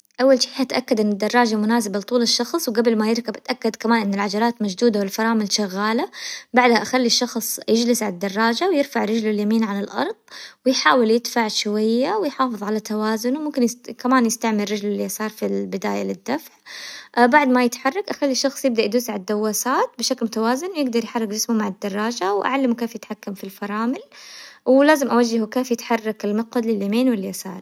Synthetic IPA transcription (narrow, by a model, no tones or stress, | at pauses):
ʔawːalʃiːħat̪ʔakːad̪ʔɪnːɪd̪ːɑrˤːɑːd͡ʒamʊnaːzɪbalt̪ˤuːlɪʃːɑxsˤwɡabɪlmajɪɾkabɪt̪ʔakːad̪kamaːnʔɪnːalʕad͡ʒɑɾˤɑːt̪mad͡ʒd̪uːd̪awɪlfɑɾˤɑːmɪlʃaɣːaːlabaʕd̪haʔaxalːiʃːɑxsˤjɪd͡ʒlɪsʕalad̪ːɑrˤːɑːd͡ʒawjɪɾfaʕɾɪd͡ʒlaljamiːnʕalɪlʔɑ̰ɾˤðˤwɪjħaːwɪljɪd̪faʕʃwajːawɪjħɑːfɨðˤʕalat̪awaːzʊnwmʊmkɪnjɪkamaːnjɪst̪aʕmɪɾːɪd͡ʒlɪlːijasɑːɾˤfilbɪd̪a̰ːjalɪd̪ːafʕbaʕd̪majɪt̪ħɑrˤːɑkʔaxalːiʃɑxsˤjɪb̚d̪aʔad̪uːsʕad̪ːawːaːsaːt̪̚bɪʃaklmʊt̪awaːzʊnwjɪɡd̪ɑɾˤjħɑrˤːɪkd͡ʒɪsmumaʕad̪ːɑrˤːɑːd͡ʒawʔa̰ʕalːamukeːfjɪt̪ħakːamfilfɑɾˤɑːmɪlwlaːzɪmʔawad͡ʒːɪhukeːfjɪt̪ħɑrˤːɑkɪlmɪqwad̪lɪljamiːnwɪlːjasɑ̰ːɾˤ